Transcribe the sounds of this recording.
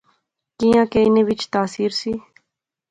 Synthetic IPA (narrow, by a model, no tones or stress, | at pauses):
kijãːkeːɪnẽːʋɪt͡ʃt̪aːsiːɾsiː